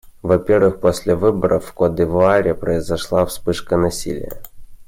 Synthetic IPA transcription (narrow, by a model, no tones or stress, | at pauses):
vɐpʲervɨxposʲlʲɪvɨbəɾʔəfːkod̪ʲɪvʊaɾʲɪpɾəɪzɐʂlˠafspɨʂkənɐsʲḭlʲɪ̰jə̰